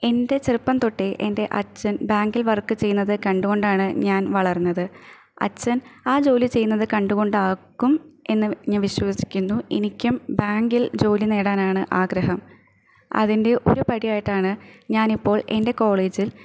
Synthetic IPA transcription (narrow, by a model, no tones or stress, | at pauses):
e̞nde̞t͡ɕerɨpːɐnt̪o̞ʈːeʔende̞ʔɐ̰t͡ɕːɐnbaːŋɡilʋɐrkːɨt͡ɕe̞jːunːɐðɨkɐɳɖuɣo̞ɳɖaːɳɨɲaːnʋɐɭɐrnːɐðɨ | ɐ̰t͡ɕːɐnaːd͡ʑo̞ːlit͡ɕe̞junːɐðɨkɐɳɖuɣo̞ɳɖɨaːɣːume̞nːɨɲaːnʋiɕʋɐsi̥kʲːunːuḛnikʲːumbaːŋɡild͡ʑo̞ːline̞ːɽaːnaːɳɨʔaːɡɾɐɦɐm | ɐ̰ðinde̞ʔo̞ɾupɐɽijaːjiʈːaːɳɨɲaːnipːo̞ːɭende̞ko̞ːɭeːd͡ʑil